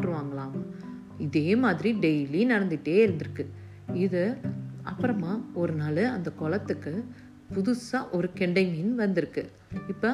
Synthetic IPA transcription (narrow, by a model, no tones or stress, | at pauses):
ʈɾɯʋaːŋɡɐɭaːm | ɪðeːmaːðɪɾiɖɛjlinɐɽɐnd̪ɪʈːeːɪɾɯnd̪ɯɾɯkːɯ | ɪðɯɐpːɐɾɐmaːɔɾɯnaːlɯɐnd̪ɐkɔɭɐt̪ːɯkːɯ | pʊðʊsãʔɔɾɯkɛɳɖɐmɪnːʋɐnd̪ɪɾɯkːɯ | ɪpːɐ